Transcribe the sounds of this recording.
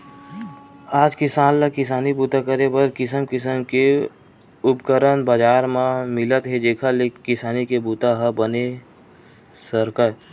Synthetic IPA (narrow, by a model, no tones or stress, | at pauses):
aːd͡ʒkɪsaːnlakɪs̬aːnibuːt̪akəɾebəɾkɪsəmkɪsəmke | ʊpkəɾənbad͡ʒaːɾmãmɪlət̪ɦed͡ʒeːkʰalekɪsaːnikebuːt̪aɦəbəne | səɾkə